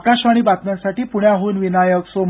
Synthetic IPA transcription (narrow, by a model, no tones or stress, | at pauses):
kaɕʋaɽ̃ibat̪mjãsaʈiːpuɳjaɦuːnʋinajəksom